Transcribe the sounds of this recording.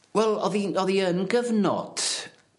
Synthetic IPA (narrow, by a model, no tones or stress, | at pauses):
wɛlˠɔðiɔðiənɡəvnɔ̰d̥